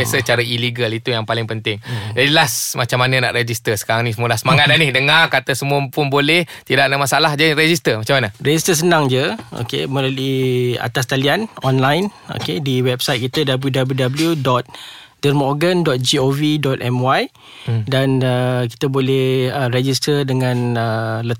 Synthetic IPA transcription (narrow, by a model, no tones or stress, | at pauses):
basət͡ʃaɾailiɡəlit̪ujaŋpalɪŋpənt̪ɪŋd͡ʒadilasmat͡ʃamːanana̰ʔɾed͡ʒist̪əsə̥kaɾaŋnisəmuəlahsəmaŋat̪̚anihdəŋarkat̪əsəmuəpʊnbolɛht̪idaʔnamasaalahd͡ʒadiɾed͡ʒist̪əmat͡ʃamːanəred͡ʒist̪əs̬ənãŋd͡ʒəo̰kḛmə̃ləluia̰t̪ast̪alianɔnlajno̰kediwɛb̚sajt̪̚kit̪ədabəljudabəljudabəljudɔt̪̚ | d̥ərmɔɡəndɔt̪̚d͡ʒiovidɔt̪̚ʔɛmwaj | danəki̥t̪əbolɛhərɛd͡ʒist̪ərdəŋãnələ